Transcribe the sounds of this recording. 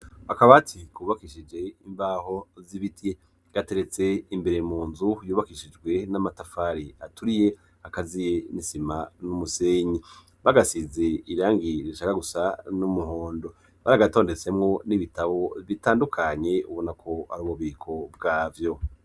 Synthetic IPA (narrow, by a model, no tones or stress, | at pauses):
akaβatʰikuβakiʃid͡ʒe̞imbaːho̞ziβitje | ɡ̥ate̞ɾe̞t͡se̞imbe̞ɾemuːnzujuːβakiʃid͡ʒɡwe̞namatafaːɾiatuɾije̞ | akazije̞nisimanumuseɲi | βaɡasize̞iɾaːŋɡiɾiʃakaɡusanumuɦo̞ːndo̞ | βaɾaɡato̞ːnde̞t͡se̞mŋo̞niβitaβo̞βitaːndukʰaɲe̞uβonakʰo̞a̰ɾuːβuβiːkʰo̞b̚ɡaːvjo̞